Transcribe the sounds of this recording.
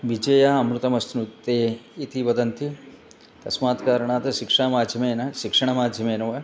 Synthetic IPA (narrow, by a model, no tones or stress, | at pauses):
ʋid͡ʒɐjaːɐmɾut̪ɐmɐsnut̪ːeːit̪iʋɐd̪ɐnt̪i | t̪ɐsmaːt̪kaːɾɐɳaːt̪ɐʃikʂɐɐmaːd̪ʱjɐmeːnɐʃikʂɐɳɐmaːd̪ʱjɐmeːnɐʋɐ